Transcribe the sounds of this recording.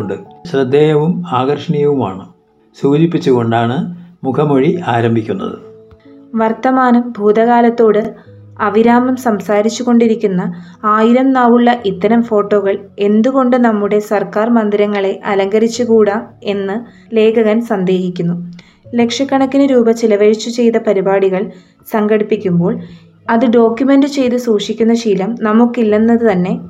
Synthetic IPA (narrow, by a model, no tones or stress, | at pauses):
ɳɖɨɕrɨd̪ːejɐʋumaːɣɐrʂɐɳijɐʋuma̰ːɳɨ | suːd͡ʑipːit͡ɕːuɣo̞ɳɖaːɳɨmukʰɐmoɻiaːɾɐmbʱikʲːunːɐ̰ðɨ̰ | ʋɐrt̪ɐmaːnɐmbʱuːd̪ɐɣaːlɐt̪ːo̞ːɽɨ | ɐʋiɾaːmɐmsɐmsaːɾit͡ɕːuɣo̞ɳɖiɾikʲːunːɐaːjiɾɐmnaːʋuɭːɐʔit̪ːɐɾɐmfo̞ːʈːo̞ːɣɐɭe̞nd̪uɣo̞ɳɖɨnɐmːuɽe̞sɐrkaːrmɐnd̪iɾɐŋːɐɭe̞ʔɐlɐŋɡɐɾit͡ɕːukuːɽɐe̞nːɨ | le̞ːkɐɣɐnsɐnd̪e̞ːɦikʲːunːu | le̞kʂɐkːɐɳɐk̪ːinɨɾuːbɐt͡ɕilɐʋɐɻit͡ɕːut͡ɕe̞jt̪ɐpɐɾibaːɽiɣɐɭ | sɐŋɡɐɽipːikʲːumbo̞ːɭ | ɐðɨɖo̞ːkjume̞ndɨt͡ɕe̞jt̪̬usuːʂikʲːunːɐɕiːlɐmnɐmukːilːɐnːɐðɨt̪ɐnːe̞